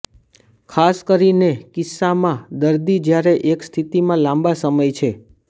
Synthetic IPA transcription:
kʰaskəɾinekɪsːamãd̪əɾd̪id͡ʒjaɾeʔekst̪ʰit̪imãlãmbasəməjt͡ʃʰe

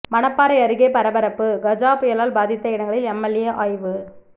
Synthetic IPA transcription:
mɐnɐpːaːɾɐɪɐɾɯɣeːpɐɾɐbɐɾɐpːɯɡɐd͡ʒaːpʊjɐlaːlbaːðɪt̪ːɐɪɽɐŋɡɐɭɪlɛmːɐlɪjɐʔaːjʋɯ

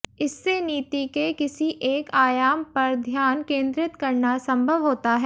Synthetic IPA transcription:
ɪsːeniːt̪ikekɪsiʔeːkaːjaːmpɐɾd̪ʱjaːnkẽːnd̪ɾɪt̪kɐɾnasɐ̃mbʱəʋɦoːt̪aɦɛː

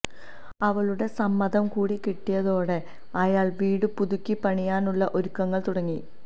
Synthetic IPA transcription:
ɐʋɐɭuɽe̞sɐmːɐðɐmkuːɽikiʈːijɐðo̞ːɽe̞ | ɐjaːɭʋiːɽɨpuðukʲːipɐɳijaːnuɭːɐʔoɾukːɐŋːɐɭt̪uɽɐŋːi

